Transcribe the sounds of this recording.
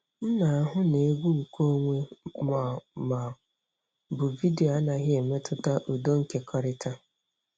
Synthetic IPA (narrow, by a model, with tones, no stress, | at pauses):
n̩˦na˨a˦ɦʊ˦ne˨˦ɡʷu˦ŋ̩˨ko˦o˦ŋʷe˦ma˨ma˨ | bʊ˨vi˦de˨o˨a˦na˨ɦɪ˦e˨me˦tʰʊ˦ta˦ʔu˨do˦ŋ̩˨ke˨kʰɔ˦ɾɪ˦tʰa˦